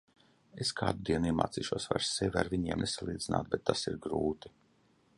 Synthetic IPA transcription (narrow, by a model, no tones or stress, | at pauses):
eskʰa̰ːd̪ud̪iɛniɛma̰ːt̪ḭːʃuɔsva̰ɾsːevʲa̰ɾvʲiɲiɛmnesalˠiːd̪zina̰ːt̪̚bɛt̪ːasiɾɡɾuːt̪i̥